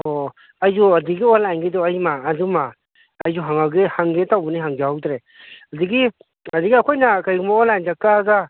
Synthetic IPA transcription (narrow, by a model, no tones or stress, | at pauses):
o | ajd͡ʒuadiɡiɔlajnɡedɔajmaːd͡ʒumaː | jzuɦaŋawɡehaŋɡetawbɔniɦaŋd͡ʒaawdɾe | adiɡi | adiɡiakʰojnakajɡumaɔlajnd͡ʒak̚taːɡa